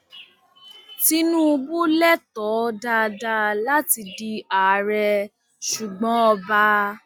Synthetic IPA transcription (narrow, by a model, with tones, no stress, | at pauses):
ti˦nũ˦u˧bu˦lɛ˦tɔ˨˦da˧da˧la˦ti˧di˧a˨ɾɛ˧ | ʃu˨ɡ͡bɔ̃˨˦ɔ˧ba˧˦